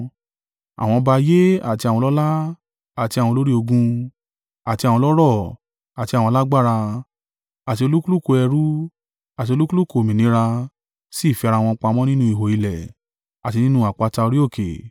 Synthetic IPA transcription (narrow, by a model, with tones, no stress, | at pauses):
a̰˨w̃ɔ̃˧ba˧je˦a̰˦˨ti˧a˨w̃ɔ̃˧lɔ˦la˦ | a˨ti˧a˨wɔ̃˧lo˦ɾi˦o˧ɡũ˧ | a˨ti˧a˨wɔ̃˧lɔ˦ɾɔ˦˨ | a˨tĩ˧˨ɔ̃˧la˦ɡ͡ba˦˨ɾa˧ | a˨ti˧o˧lu˦ku˦lu˦˨ko˧ɛ˧ɾu˦ | a˨ti˧o˧lu˦ku˦lu˦˨ko˨mĩ˨nĩ˨˦ɾa˧ | si˦˨fi˧ɾa˧w̃ɔ̃˧k͡pa˧mɔ̃˦nĩ˦nũ˦i˦˨ɦo˨i˨˧lɛ˨ | a˨ti˧nĩ˦nũ˧˦a˨k͡pa˨˧ta˧o˧ɾi˦o˦˨ke˨